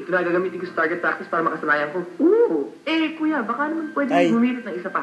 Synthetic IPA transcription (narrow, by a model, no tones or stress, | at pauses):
t̪ʊd̪aːɐɡaːɡɐmiːt̪ɪnŋkosɐt̪aɹɡɛt̪pːɾak̚sɪspaːɾɐmɐkɐsɐlaːjɐnko̞ʔoʔɛkuːjɐbɐkɐʔɐnomɐnpwɛd̪ɪŋbʊmiːɾɪt̪nɐŋʔɪsapɐ